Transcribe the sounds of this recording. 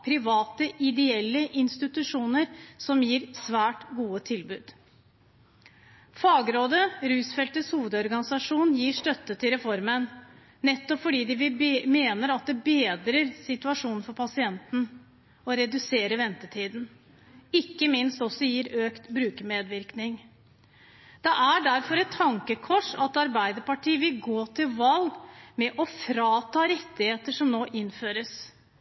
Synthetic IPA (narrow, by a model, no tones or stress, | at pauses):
pʰɾɪʋɑːt̪əʔɪd̪ɛɛlːəʔɪnst̪ɪt̪ʉʂuːnəɾsɔmjiːɾsʋæːʈɡuːət̪ʰɪlbʉːd̪̥ | fɑːɡɾoːd̪əɾʉːsfɛlt̪əshuːʋəd̪ɔɾɡɑnɪsɑʂuːnjiːʂʈœt̪ːət̪ʰɪlɾɛfɔɾmən | nɛt̪ːɔpfɔɖiːd̪ɪʋɪmeːnəɾɑt̪̚d̪ɛbeːd̪ɾəɾsɪt̪ʉɑʂuːnn̩fɔɾpʰɑsɪɛnt̪n̩ | ɔɾɛd̪ʉseːɾəʋɛnt̪ət̪ʰiːd̪n | ɪkːəmɪnst̪ɔsɔjiːɾøːkt̪bɾʉːkmeːd̪ʋɪɾknɪŋ | d̪̥ɛʔæɖæɾfɔɾɛt̪ʰːɑŋkəkʰɔʂɑt̪ɑɾbæɪd̪əɾpɑʈʰiːəʋɪlɡoːt̪ʰɪlʋɑlɡmɛʔɔfɾɑːt̪ʰɑːɾɛt̪ːɪheːt̪əʂɔmnoːʔɪnføːɾəs